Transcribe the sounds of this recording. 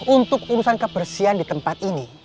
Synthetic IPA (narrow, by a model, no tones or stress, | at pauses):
unt̪ʊkuɾusankəbərsiandit̪əmpat̪̚ini